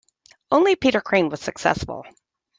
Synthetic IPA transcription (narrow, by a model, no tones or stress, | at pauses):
õʊ̃nlipʰiɾə˞kʰɹ̥ẽɪ̃nwʌz̥sɨksɛ̰sfl̩ˠ